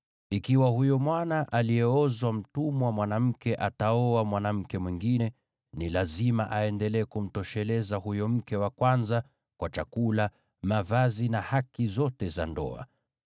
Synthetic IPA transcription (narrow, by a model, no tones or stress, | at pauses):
ikiwahujɔmwanaʔaliɛɔzwam̩tumɔwamwanam̩kɛʔataɔamwanam̩kɛmwiŋɡinɛ | nilazima̰ʔaɛndɛlɛːkum̩tɔʃɛlɛzahujɔm̩kɛwakwanza | kwat͡ʃakula | mavazinahakizɔtɛza̰ndɔ̰a̰